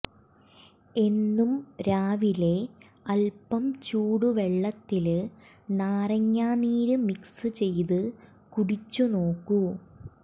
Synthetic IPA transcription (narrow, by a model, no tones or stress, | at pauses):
e̞nːumɾaːʋile̞ | ɐlpɐmt͡ɕuːɽuʋe̞ɭːɐt̪ːil | naːrɐŋːaːniːɾɨmiksɨt͡ɕe̞jt̪ɨ | kuɽit͡ɕːuno̞ːkːu